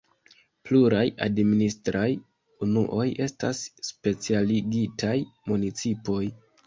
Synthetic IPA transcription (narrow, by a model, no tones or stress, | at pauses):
pluɾaja̰dministɾaj | unuʔo̞je̞sta̰sːpe̞t͡sialiɡitʰajmunit͡sipo̞j